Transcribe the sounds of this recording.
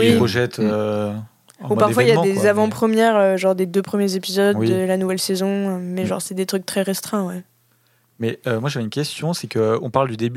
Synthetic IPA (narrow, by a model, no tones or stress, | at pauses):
wpʁɔʒɛt̪ø | upaʁfwailjãd̪ezavɑ̃pχəmjɛʁøʒɔ̃ʁd̪ed̪øpχəmjezepizɔd̪wiːəlanuvɛlsezɔ̃ømɛʒɔ̰̃ʁsɛd̪et̪χyk̚t̪χɛʁɛst̪χɛ̃wɛ | mɛømwaʒavɛynkʲɛst̪jɔ̃sɛkəɔ̃paʁld̪yd̪eby